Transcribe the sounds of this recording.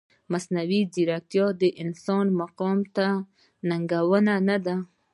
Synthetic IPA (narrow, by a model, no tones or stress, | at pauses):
masnawiziɾak̚t̪jɑd̪əʔɪnsɑnmaqɔmt̪a | naŋɡawənanad̪a